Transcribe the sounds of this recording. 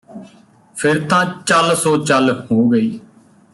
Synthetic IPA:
pʰɪɾt̪ãːt͡ʃəlsoːt͡ʃəlhoːɡəiː

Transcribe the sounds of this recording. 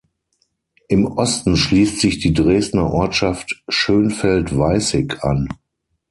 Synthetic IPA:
ʔɪmʔɔstn̩ʃliːstz̥ɪçd̥iːdʁeːstnɐʔɔɐtʃaftʃøːnfɛltv̥aɪsɪkʰʔa̰n

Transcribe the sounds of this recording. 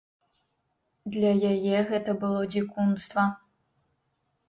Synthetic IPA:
d̪lʲɐjajɛɣɛt̪ɐbɨlˠɔd͡zʲikumst̪vɐ

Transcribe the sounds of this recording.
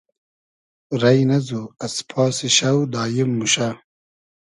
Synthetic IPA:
ɾɐjnɐzuɐspʰɑːsiɕɐwd̪aːjimːuɕa

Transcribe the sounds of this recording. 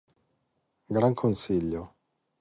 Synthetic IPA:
ɡɾaŋkʰonsiʎːo

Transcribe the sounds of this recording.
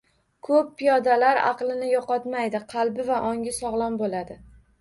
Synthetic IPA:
kʰɵpːijɒd̪alaɾɑ̰qlˠɪnɪjɒqɒt̪majd̪ɪqʰɑlˠbɪvaʔɒŋʲɪsɒʁlˠɒnbolad̪ɪ

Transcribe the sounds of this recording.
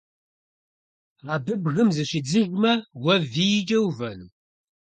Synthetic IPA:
ʁɑbɨbɣɨmzɨɕɪd͡zɨɣʷmɐwɐvijd͡ʒʼɐwvɐnuː

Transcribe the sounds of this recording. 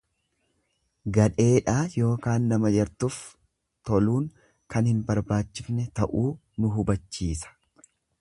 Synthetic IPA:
ɡɐᶑe̞ːᶑaːjo̞ːkaːnːɐmɐd͡ʒɐɾt̪ʊf | t̪ɔluːŋ | kɐnhɪnbɐɾbaːt͡ʃːɪfnɛt̪ɐʔuː | nʊɦʊbɐt͡ʃːiːsɐ̥

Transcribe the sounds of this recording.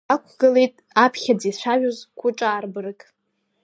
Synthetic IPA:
akʷʰɡɨlejtʼ | apʰχʲad͡ziʃʷaʒᶣozkʷʰʊʈ͡ʂʼaːrbɨrɨkʼ

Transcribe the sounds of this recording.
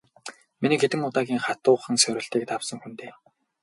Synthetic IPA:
miniːket̪ɘ̆ŋʊt̪aːɣʲiːŋχat̪ʊːχə̆ŋsœwʲɾʲɪ̆ɬt̪iːk̚t̪awsə̆ŋxunt̪eː

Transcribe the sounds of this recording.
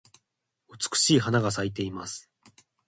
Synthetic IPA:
ɯ̟t͡sɨ̥kɯ̟̥ɕiːɦanaɡas̬ait̪̬e̞imasɨ̥

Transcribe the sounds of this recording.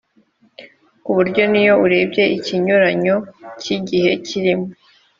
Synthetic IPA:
kuβuɾɟo̞nijo̞uɾe̞ːbje̞iciɲuɾaɲo̞ciɟihe̞ciɾimo

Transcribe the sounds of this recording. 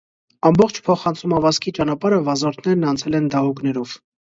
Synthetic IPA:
ɑmbɔχt͡ʃʰpʰɔχɑnt͡sʰumɑvɑskʰit͡ʃɑnɑpɑɾəvɑzɔɾt̪ʰnɛɾnɑnt͡sʰɛlɛnd̪ɑɦuknɛɾɔv̥

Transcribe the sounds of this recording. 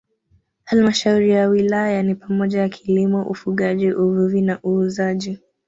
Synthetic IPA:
halmaʃauɾijawilajanipamɔʄajakʰilimɔʔufuɠaʄiʔuvuvinaʔuːzaʄi

